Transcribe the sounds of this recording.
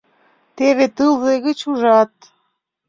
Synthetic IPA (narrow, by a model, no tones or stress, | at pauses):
t̪eβet̪ɨlzeɣə̆t͡ɕuʒɑt̪̚